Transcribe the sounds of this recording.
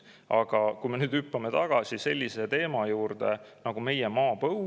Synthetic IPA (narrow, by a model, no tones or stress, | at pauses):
ɑɡ̥ɑkujme̞nyːd̪ypːɑme̞t̪ɑɡ̥ɑsise̞lʲːise̞t̪e̞ːmɑjuːrd̪̥e̞nɑɡ̥ume̞jemɑːpɤw